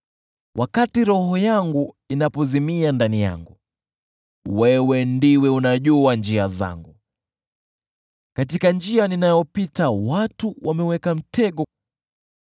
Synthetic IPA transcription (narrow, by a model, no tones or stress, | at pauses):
wʔakatiɾɔɦɔjaŋɡu | inapɔzimiandanija̰ŋɡu | wɛwɛndiwɛunaʄuand͡ʒiaza̰ŋɡu | katikand͡ʒianinajɔpitawatuwamɛwɛkam̩tʰɛɠɔ